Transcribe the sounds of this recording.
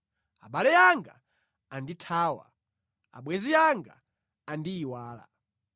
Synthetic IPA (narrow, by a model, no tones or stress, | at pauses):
aɓalɛjaŋɡa̰ː | nditʰaːwa̰ | a̰ɓwɛziaŋɡa̰ː | ndiːwaːla̰